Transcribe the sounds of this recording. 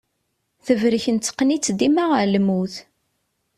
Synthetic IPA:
θəvɾəçənt͡s̪ːə̥qːnit͡sːd̪imaʁəɾləmuθ

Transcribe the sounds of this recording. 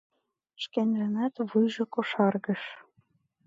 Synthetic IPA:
ʃkenʲlæ̆næt̪βujʒɤ̆koʃɑrɣɤ̆ʃ

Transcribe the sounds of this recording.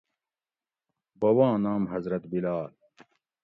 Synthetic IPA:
bɐwãːnaːmhɐzɾɐt̪bilaːl

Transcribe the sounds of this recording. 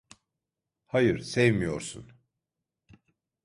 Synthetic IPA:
hajɯɾ̥sɛvmijo̞ɾsṵn

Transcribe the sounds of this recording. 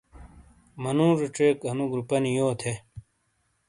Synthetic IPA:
mɐnũːɾuʈ͡ʂeːkɐnuɡɾupɐnijoːt̪ʰe

